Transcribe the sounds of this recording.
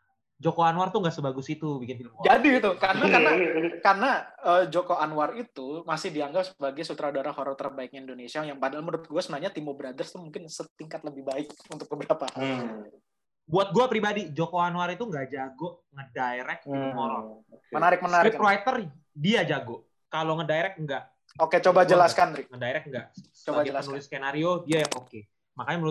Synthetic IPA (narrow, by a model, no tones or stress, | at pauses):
d͡ʒokoanwart̪uŋɡaʔsəbaɡʊsit̪ubikɪnfilʊmkɔd͡ʒadit̪ukarnakanakarnaəd͡ʒokoanwarit̪umasɪhdiaŋɡapsəbaɡajsut̪ɾadaɾahɔɾɔt̪ərbaɪk̚ɲaindonesiajaŋpadaalməɾʊt̪̚ɡuasunaaɲat̪imobəɾadərst̪umuŋkɪnsət̪iŋkat̪̚ləbɪhbaɪk̚unt̪ʊk̚bəbəɾapahal | buat̪̚ɡuapɾibadid͡ʒokoanuaɾit̪uŋɡaʔd͡ʒaɡʊʔŋədaeɾɛk̚diumoɾɔ̰n | mənaɾɪk̚mənaɾipɾoajt̪ər | diad͡ʒaɡʊʔ | kaloŋədaeɾɛk̚ŋɡaʔ | oket͡ʃobad͡ʒəlaskanɾɪŋədaeɾɛk̚ŋɡa | ət͡ʃbaɡiənlskenaɾiodiajaŋoke | makaɲaməɾ